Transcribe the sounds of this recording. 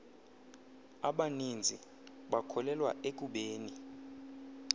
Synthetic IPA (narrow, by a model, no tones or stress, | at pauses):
aɓanind͡zʱi | ɓakʰɔlɛlwa̰ʔek̬ʼuɓeːni